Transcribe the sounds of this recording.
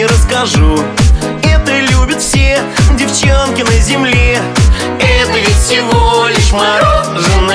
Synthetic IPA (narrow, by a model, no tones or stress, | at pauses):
ɾəskɐʐu | ɛt̪əɪlʲubʲɪt̪fsʲedʲɪft͡ɕankʲɪnəzʲɪmlʲe | ɛt̪əisʲɪvolʲɪʂmɐɾo | ʐɨn